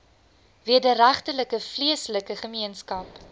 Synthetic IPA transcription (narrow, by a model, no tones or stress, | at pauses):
viədəɾæχtələkəfliəsləkəχəmiənskɐp